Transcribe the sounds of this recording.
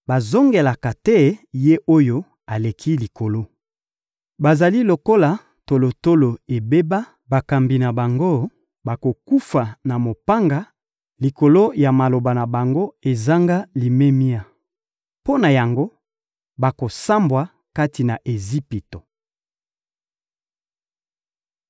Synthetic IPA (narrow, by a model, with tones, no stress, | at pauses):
ba˨zo˦ŋɡe˨la˨ka˨tɛ˦je˦ʔo˦jo˦ | a˨le˨kʰi˦li˨ko˨lo˦ | ba˨za˨li˦lo˨ko˦la˨ | to˨lo˨to˦lo˨e˨be˦ba˦ | ba˨ka˨mbi˨na˨ba˨ŋɡo˦ | ba˨ko˨ku˦fa˨na˨mo˨pa˦ŋɡa˦ | li˨ko˨lo˦ja˨ma˨lo˨ba˨na˨ba˨ŋɡo˦e˨za˦ŋɡa˦li˨me˦mi˦a˨ | po˦na˨ja˨ŋɡo˦ | ba˨ko˨sa˦mbwa˨ | ka˦ti˨na˨ʔe˨zi˦pi˨to˨